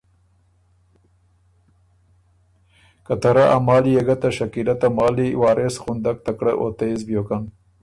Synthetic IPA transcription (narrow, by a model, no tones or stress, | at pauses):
kat̪aɾaʔa̰mɑːlijeɡat̪aʃakilat̪amɑːliwɑːɾesxund̪ak̚t̪akɽa̰ʔo̰t̪aezbjokan